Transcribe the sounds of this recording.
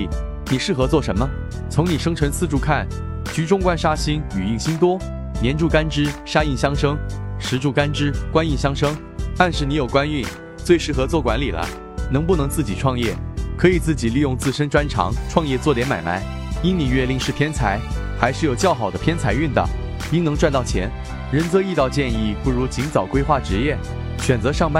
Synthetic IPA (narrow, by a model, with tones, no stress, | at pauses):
ni˨˩ʂɻ̩˥˩xɤ˧˥t͡swɔ˥˩ʂə˧˥nmə˧ | t͡sʰʊ˧˥ŋni˨˩ʂɤ˥ŋʈ͡ʂʰə˧˥nt͡sʰɹ̩˥˧ʈ͡ʂu˥˧kʰa˥˩n | t͡ɕy˧˥ʈ͡ʂʊ˥ŋkwa˥nʂa˥ɕi˥ny˨˩i˥˩ŋɕi˥ŋt̪wɔ˥ | njɛ˧˥nʈ͡ʂu˥˩ka˥nʈ͡ʂɻ̩˥ʂa˥i˥˩ŋɕjɑ˥ŋʂɤ˥ŋʂɻ̩˧˥ʈ͡ʂu˥˩ka˥nʈ͡ʂɻ̩˥kwa˥ni˥˩˧ɕjɑ˥ŋʂɤ˥ŋ | t̪a˥˧nʂɻ̩˥˩ni˧˥jo˨˩ʊkwa˥ny˥˩n | t͡swe˥˧ɪʂɻ̩˥˩xɤ˧˥t͡swɔ˥˩kwa˧˥nli˨˩lə̰˦ | nɤ˧˥ŋp̬u˥˩nɤ˧˥ŋt͡sɹ̩˥˩t͡ɕi˨˩ʈ͡ʂʰwɑ˥˧ŋjɛ̰˥˩kʰɤ˧˥i˨˩t͡sɹ̩˥˩t͡ɕi˨˩li˥˧jʊ˥˧ŋt͡sɹ̩˥˩ʂə˥nʈ͡ʂwa˥nʈ͡ʂʰɑ̰˧˥ŋʈ͡ʂʰwɑ˥˧ŋjɛ˥˧t͡swɔ˥˩t̪jɛ˧˥nma˨˩ɪma̰˧˥ɪ | i˥nni˨˩ɥɛ˥˧li˥˧ŋʂɻ̩˥˩pʰjɛ˥nt͡sʰa˧˥ɪ | xa˧˥ɪʂɻ̩˥˩jo˨˩ʊt͡ɕjɑ˥˩ʊxɑ˨˩ʊd̪ə˦pʰjɛ˥nt͡sʰa˧˥ɪy˥˩nd̪ə̰˩ | i˥ŋnɤ˧˥ŋʈ͡ʂwa˥˧nt̪ɑ˥˩ʊt͡ɕʰjɛ̰˧˥n | ɻə˧˥nt͡sɤ˧˥i˥˧t̪ɑ˥˧ʊt͡ɕjɛ˥˧ni˥˩pu˥˩ɻu˧˥t͡ɕi˧˥ŋt͡sɑ˨˩ʊkwe˥ɪxwa˥˩ʈ͡ʂɻ̩˧˥jɛ˥˩ | ɕɥɛ˨˩nt͡sɤ˧˥ʂɑ˥˧ŋpa˥